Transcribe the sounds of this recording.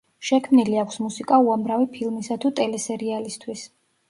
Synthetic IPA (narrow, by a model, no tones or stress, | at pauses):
ʃɛkʰmniliakʷʰsmusikʼauamɾavipʰilˠmisat̪ʰut̪ʼɛlɛsɛɾialist̪ʰwis